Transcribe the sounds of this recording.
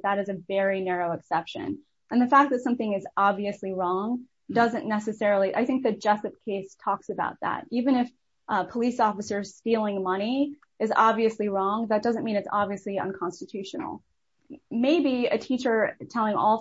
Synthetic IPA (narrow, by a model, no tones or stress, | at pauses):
ðəɾɨzɨvɛɹinɛɹoʊɨksɛpʃɨ̰̃n | ʔɨ̃nðɨfæk̚ðɨtsʌ̃mθɪ̃ŋɨzɑbviɨsliɹɔ̃ŋ | dʌzɨ̃nːɛsɨsɛɹl̩ˠiʔa̰ɪθɪ̃ŋk̚ðɨd͡ʒɛsɨp̚kʰeɪstʰɔksɨbaʊt̪̚ðæ̰ɾivɨ̃ñɨf | pʰəlisɔfɨsə̥˞stilˠɪ̃ŋmʌɾ̃i | ɨzɑbviɨsliɹɔ̃ŋðɨt̚d̥ʌzɨ̃nmĩñɨtsɑ̰bviɨsliə̰̃nkʰɑ̃nstɨtʰʉʃnl̩ˠ | meɪbiɨtʰit͡ʃə˞tʰɛlˠɪ̃ŋɔ̰lˠ